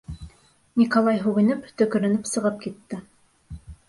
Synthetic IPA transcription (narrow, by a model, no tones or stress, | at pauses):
nʲikolˠɑjɦʉɣɘ̆nɘpt̪ɵ̆kɵ̆ɾɘ̆nɘpsɤ̆ʁɤp̚kit̪ːɘ